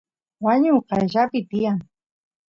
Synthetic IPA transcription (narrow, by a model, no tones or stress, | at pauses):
waɲʊqɑjʒapɪt̪ɪjaŋ